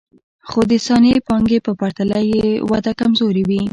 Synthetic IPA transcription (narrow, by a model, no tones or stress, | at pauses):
xod̪əsɑnepɑŋɡepəpaɾt̪alajewad̪akamzoɾewi